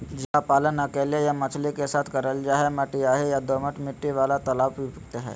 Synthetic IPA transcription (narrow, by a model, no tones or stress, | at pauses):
d͡ʒiɦapaːlənəkelejamət͡ʃʰlikesaːt̪ʰkəɾəld͡ʒaːɦeməʈːiaːɦejad̪oməʈmɪʈːiʋaːlat̪ɐlaːbʋipukt̪eɦɛ̰ː